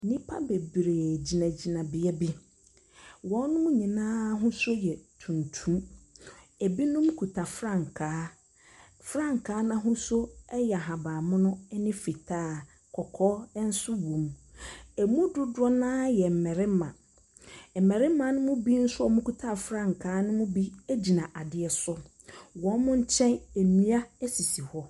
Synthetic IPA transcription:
nĩ˦pʰa̰˦be˨bɾe˨d͡ʑi˨nã˨d͡ʑi˨nã˨bɪ˨ɛ˦bi˦ | wɔ̃˨˦nʊ̃˦mʊ̃˦ɲĩ˨nãː˦ɦʊ̃˦so˦jɛ˨tʰũ˨ntʰũ˦m | e˨bi˦nʊ̃˦mũ˦kʰu˨tʰa˨fɾã˦˨ŋ˨kʰaː˨˦ | fɾã˦˨ŋ˨kʰaː˨˦nã˦ɦʊ̃˦sʊ˦ɛ˦jɛ˨a˨ɦa˨baː˨mʊ̃˦nʊ̃˦ɛ˦nɪ̃˦fi˨tʰaː˦˨ | kʰɔ˨kʰɔː˦ɛ˦n̩˦sʊ˦wũ˨m | ɛ˨mũ˦dʊ˦dʊ˦ɔ˦nãː˦jɛ˨m̩˨mɛ˨ɾɪ˦mã̰˨ | m̩˨mɛ˨ɾɪ˦mã˨˦nʊ̃˦mʊ̃˦bi˦n̩˦sʊ˦ɔ˦˨mũ˦ku˨tʰa˦˨fɾã˦ŋ̩˨kʰaː˨˦nʊ̃˦mʊ̃˦bi˦æ˦d͡ʑi˨nã˨ʔa˨dɪ˨ɛ˨sʊ˦ | wɔ˨˦mʊ̃˦ɲ̩˦t͡ɕʰɛ̃˦ne˨mĩ˦a˦ɛ˦si˨si˨hɔ˦

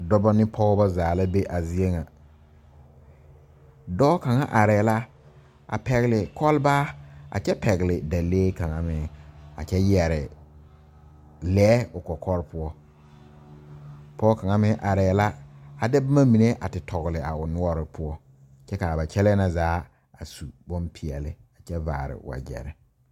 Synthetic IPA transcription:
dɔ˦bɔ˦nɪ˦pʰɔ˦ba˦zaː˨la˦be˦ʔa˨zi˦e˦ŋa˨ | dɔː˦ka˨ŋa˦ʔa˨ɾɛː˨la˦ | a̰˨pɛ˨ɣɪ˨lɪ˨kʰɔ˦lbaː˦a̰˨t͡ʃɛ˦pɛ˨ɣɪ˨lɪ˨da˨leː˦ka˨ŋa˦mɪ˨a̰˨t͡ʃɛ˦jɛ˨ɾɪ˨ | lɛː˦ʊ˨kɔ˨kʰɔ˦ɾɪ˦pʊ˦ɔ˦ | pɔː˦ka˨ŋa˦mɪ˦ʔa˨ɾɛː˨la˦a˨dɪ˦ba˦ma˦mi˨ne˦ʔa˨tɪ˨tʰɔ˨ɣlɪ˨a˨ʊ˨nʊ˦ɔ˦ɾɪ˨pʊ˦ɔ˦ | t͡ʃɛ˦ka˨ba˨t͡ʃɛ˦lɛ˦na˦zaː˨˦ | a˨su˨bɔ˦npʰi˨ɛ˨lɪ˦a˨t͡ʃɛ˦vaː˨ɾɪ̰˨wa̰˨d͡ʒɛ̰˨ɾɪ˨

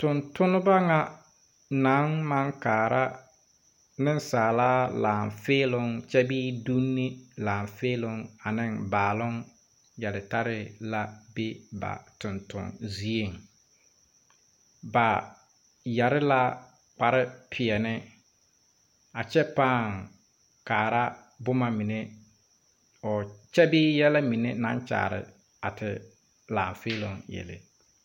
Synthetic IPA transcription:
tʊ˨ntʊ˦nʊ˦ba˦ŋa˦ | na˨˦ŋma˦ŋkaː˨ɾa˦ | nɪ˦nsaː˨laː˦laː˨ɱfeː˦lʊ˦ŋt͡ʃɛ˦biː˦du˦nːi˦laː˨ɱfeː˦lʊ˦ŋa˨nɪ˦nbaː˨lʊ˦ŋ | ja˨dɪ˨ta˦ɾɪ˦la˦be˦ba̰˨tʊ˨ntʊ̰˨ŋzi˨e˦˨ŋ | ba˨ | jɛ˨ɾɪ˦la˦ | k͡pa˨ɾɪ˦pʰɪ˨ɛ˨nɪ˦ | a˨t͡ʃɛ˦paː˦˨ŋ | kaː˨ɾa˦ | bʊ˦ma˨mi˨ne˦ | ɔ˨t͡ʃɛ˦bɪː˦jɛ˦la˦mi˨ne˦nã˦nt͡ʃa̰ː˨ɾɪ̰˨ | a̰˨tʰɪ˨ | laː˨ɱfeː˦lo˨ŋjḛ˨lḛ˨

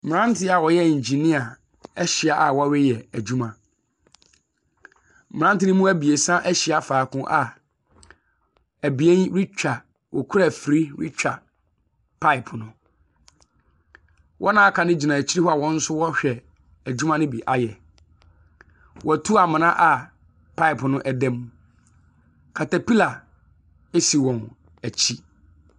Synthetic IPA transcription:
mɪ̃˨ɾã˦n˦tʰɪ˦a˨wɔ˨jɛ˦˨ɲ̩˨d͡ʑi˨nĩ˦a˨ | ɛ˦ɕɪ˨a˨ʔa˨wɔ˦ɥɛ˦jɛ˨æ˨d͡ʑu˦mã˨ | m˨ã˦n˦tɪ˦nʊ̃˦mũ˦æ˦bi˨e˨sã˦ʔæ˦ɕɪ˨a˨faː˨kʊ̃˦ʔa˨ | æ˨bi˨e˦nɾi˦t͡ɕᶣa˨ | wɔ̰˨kʰu˦ɾa˨fɾi˦ɾḭ˦t͡ɕᶣa˨ | pʰa˦ɪ˨pʰnʊ̃˨ | wʔɔ̰˦nãː˦a˦kʰã˨nɪ̃˦d͡ʑi˨nã˨t͡ɕʰi˦ɾi˦hɔ˦a˨wɔ̃˦n̩˦sʊ˦wɔ˦ɕᶣɛ˨ | æ˨d͡ʑu˦mã˦nɪ̃˦bi˨ʔa˨jɛ˨ | wɔ˨tʰu˦a˨mɪ̃˨nã˦ʔa˨ | pʰa˦ɪ˨pʰnʊ̃˦ʔæ˨dɛ̃˦m˦ | kʰa˨ta˨pi˦la˨ | e˦si˨wɔ̃˨n | æ˨t͡ɕʰi˦

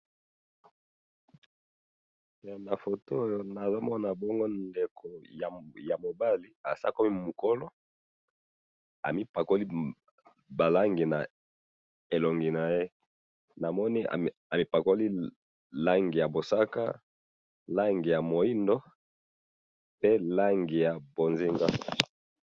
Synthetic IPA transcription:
na˨fo˨to˦o˦jo˦na˨zo˦mɔ˦na˨bɔ˦ŋɡo˦nde˨kʰo˨ja˨ja˨mo˨ba˦li˨a˨sa̰˦ko˦mi˦mu˨ko˦lo˦ | a̰˨mi˦pa˨ko˦li˦ | ba˨la˦ŋɡi˨na˨ | e˨lo˨ŋɡi˨na˨je˦ | na˨mɔ˦ni˦a̰˨ | a˨mi˦pa˨ko˦li˦ | la˦ŋɡi˨ja˨bo˨sa˦ka̰˦ | la˦ŋɡi˨ja˨mo˨i˦ndo˦ | pe˦la˦ŋɡi˨ja˨bo˨nzi˦ŋɡa˦

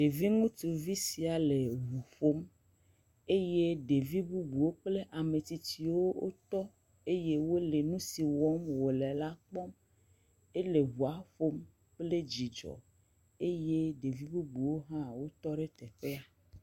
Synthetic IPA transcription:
ɖe˨vi˦ŋũ˦t̪u˨vi˦si˨a˨le˨ɦu˨fo˦m | e˦je˦ɖe˨vi˦bu˦bu˨wo˦k͡ple˦ʔa˨me˨t̪i˨t̪i˨wo˦o̰˦t̪ɔ˦ | e˦je˦wo˦le˨nũ˦si˨wɔ˦mwo˨lɛ˨la˦k͡pɔ˦m | e˦le˨ɦu˨a˨ɸo˦m | k͡ple˦d͡ʑi˨d͡ʒɔ̰˨ | e˦je˦ɖe˨vi˦bu˦bu˨wo˦ɦã˦wo˦t̪ɔ˦ɖe˦t̪ɛ˨ɸe˦a˨

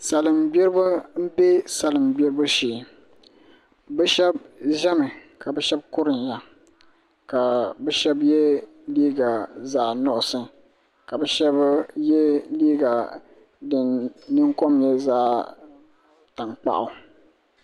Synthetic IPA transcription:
sa˨lɨ˨mɡ͡bɛ˦ɾɨ˦ba˦m̩˦be˦sa˨lɨ˨mɡ͡bɛ˦ɾɨ˦ba˦ʃeː˨ | bɛ˦ʃɛ˦bʒɛ˦mɨ˨ka˨bɛ˦ʃɛ˦b̚kʊ˦ɾɨ˨nja˨ | ka˨bɛ˦ʃɛ˦bjɛ˦ | liː˦ɡa˨zaː˨nɔ˦ʔʊ˨sɨ˦ | ka˨bɛ˦ʃɛ˦bjɛ˦liː˦ɡa˨ | dɨ˨nnɨ˦ŋko˦mjɛ˦zaː˦ | ta˨ŋk͡pa̰˨ʔʊ˨

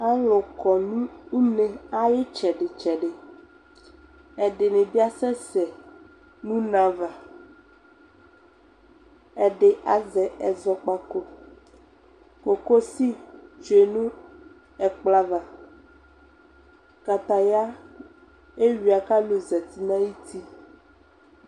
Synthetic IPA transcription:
a˦lɔ˨kɔ˨nũ˦u˦nẽ˨a˦je˦t͡ʃɛ˨ɖe˨t͡ʃɛ˨ɖe˨ | ɛ˨ɖe˨nẽ˨bi˦a˦sɛ˦sɛ˨ | nũ˦nã˨va˨ | ɛ˨ɖe˨ʔa˨zɛ˨ɛ˨zɔ˦k͡pa˦ko˦ | ko˨ko˦si˦t͡ʃo˨e˨nũ˦ | ɛ˨k͡pla˦va˨ | ka˨t̪a˨ja˦ | e˦wi˨a˨ka˦lo˨zɛ˨t̪i˦nã˦ji˦t̪ʰi˦

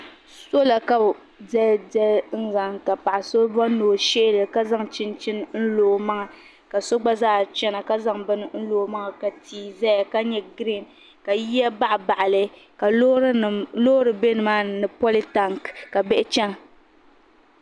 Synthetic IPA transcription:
so˦la˨ka˦˨ | dɛ˦dɛ˦n̩˦za˨ŋka˨pa˨ʔa˨so˦ba˦noː˨ʃɪ˦ʔɪ˦lɨ˨ka˦za˦ŋt͡ʃɪ˦nt͡ʃɪ˦n˦n̩˦loː˨ma˦ŋa˨ | ka˨so˦ɡ͡ba˦zaː˦˨t͡ʃɛ˦na˨ka˦za˦ŋbɨ˦nɨ˦n̩˦loː˨˦ma˦ŋa˨ka˨tiː˨za˦ja˨ka˦ɲɛ˦ɡɾi˦˨n | ka˨ji˦a˦ba˦ʔba˨ʔa˨lɨ˨ | ka˨˦˨lo˦ɾɨ˨be˦nɨ˨maː˦nɨ˨pɔ˦li˦ta˨ŋkka˨bɛ˦ʔɪ˦t͡ʃɛ˦n˨

